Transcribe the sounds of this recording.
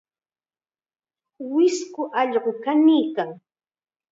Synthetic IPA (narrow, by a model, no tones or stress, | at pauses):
wɪskʊʔɑʎɢʊkaniːkaŋ